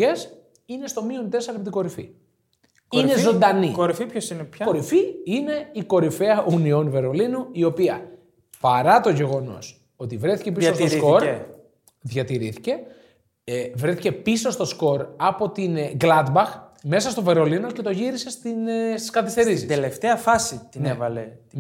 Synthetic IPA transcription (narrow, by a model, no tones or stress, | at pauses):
es | ine̞st̪o̞miont̪e̞sɐɾɐpit̪iɡo̞ɾifḭ | nezo̞nd̪ɐnioɾifipçosinkoɾifiine̞iko̞ɾifeɐʔunio̞nve̞ɾo̞linuio̞piɐ | pɐɾɐt̪o̞ʝe̞ɣo̞no̞̰s | o̞t̪ivɾeθicepisost̪osko̞ɾ | ðʝɐt̪iɾiθi̥ce̞ | vɾeθice̞piso̞st̪o̞sko̞ɾɐpo̞t̪inɡlɐd̪bɐxme̞sɐst̪o̞ve̞ɾo̞lino̞ce̞t̪oʝiɾise̞st̪inst̪i̥skɐθist̪e̞ɾisid̪eleft̪eɐfɐsit̪inevɐle